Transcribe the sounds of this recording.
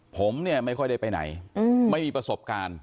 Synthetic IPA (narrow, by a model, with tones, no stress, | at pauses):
pʰo˩˦mni˥˩ɐma˥˩jkʰɔ˥˩jda˥˩jpa˧jna̰˩˦jɯ˧ma˥˩jmiː˧pɾa˧so˨˩p̚kaː˧n